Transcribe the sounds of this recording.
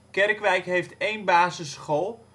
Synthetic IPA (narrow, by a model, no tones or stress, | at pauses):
kɛrkʋɛjkɦejftejnbaːzəsχolˠ